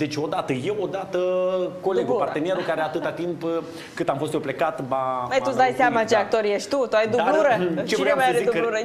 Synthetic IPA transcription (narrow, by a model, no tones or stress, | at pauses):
d̪et͡ʃo̞d̪at̪əjewod̪at̪əkoleupart̪eneɾukaɾeat̪ɨt̪at̪imp | kɨt̪amfost̪jeplekat̪baməjt̪uzd̪ajseamat͡ʃeak̚t̪o̞ɾjeʃt̪ʲt̪ut̪uajd̪uauɾət͡ʃevɾemaeid̪ubuɾə